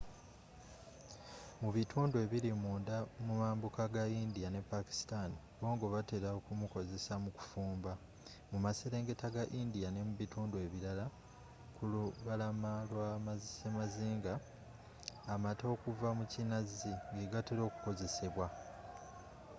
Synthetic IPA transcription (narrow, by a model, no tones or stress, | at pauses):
muβitʰuːndwe̞ːβiɾimuːndamumaːmbukaɡaind̪ijane̞pːaki̥si̥tani | βo̞ːŋɡo̞βate̞ɾaokumuko̞ze̞samuku̥fuːmba | mumaseɾe̞ːŋɡe̞taɡaʔindijane̞muβituːndwe̞ːβiɾala | kuluβalamalwamazsemaziːŋɡa | mato̞ːkuvamucinaziŋɡeɡateɾo̞ːku̥ko̞ze̞se̞βwa